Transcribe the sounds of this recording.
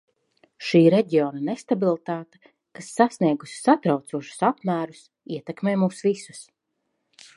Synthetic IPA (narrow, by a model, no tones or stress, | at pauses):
ʃiːɾeɟiɔːnanest̪abilˠt̪aːt̪ḁ | kasːasniɛɡusʲi̥sat̪ɾawt̪suɔʃu̥sapmæːɾus | iɛt̪ɛkmeːmuːsvisu̥s